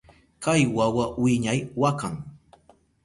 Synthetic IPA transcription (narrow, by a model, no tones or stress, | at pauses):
kajwawawɪɲajwakaŋ